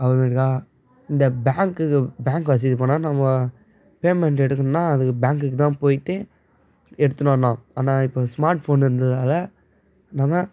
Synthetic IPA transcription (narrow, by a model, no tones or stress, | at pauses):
ɐʋɐɾmeːɾkaː | ɪnd̪ɐbaːŋkɯbaːŋkʋɐs̬ɪðip̬oːnãːnɐmːɐ | peːmɛɳʈɛɽɯkːɯnnːaːɐðɯkːɯbaːŋkɯkːɯt̪ãːpoːjɪʈːɯ | ɛɽɯt̪ːɯnɐnːãːaːnaːɪpːoːsmaːɾʈfoːnɪɾɯnd̪ɐðaːlɐ | nɐmːɐ